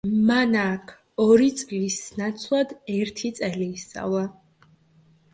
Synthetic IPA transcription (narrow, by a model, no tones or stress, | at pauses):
manakʰ | ɔɾit̪sʼlisnat̪sʰlˠad̪ɛɾt̪ʰit̪sʼɛliːst̪sa̰vlˠa